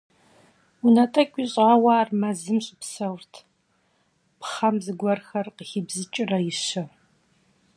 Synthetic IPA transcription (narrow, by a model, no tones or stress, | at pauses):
unɐtʼɐkʷʼiɕʼʁɐwaːrmɐzɨmɕʼɪpsɐwrtʰ | pχɐmzɨɡʷɔrxɐrqəxibzɨt͡ʃʼɪrɐjɪɕɐ